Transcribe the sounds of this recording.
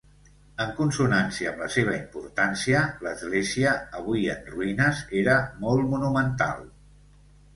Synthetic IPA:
əŋkunsunansiəːmləseβ̞əimpuɾt̪ansiələzɣleziəːβ̞uiə̰nruinəzeɾəmɔlˠt̪munumənt̪a̰lˠ

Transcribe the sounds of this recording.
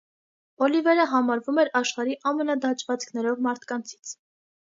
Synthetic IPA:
ɔlivɛɾəɦɑmɑɾvumɛɾɑʃχɑɾiʔɑmənɑd̪ɑt͡ʃʰvɑt͡skʰnɛɾɔvmɑɾt̪ʰkɑnt͡sʰi̥t͡sʰ

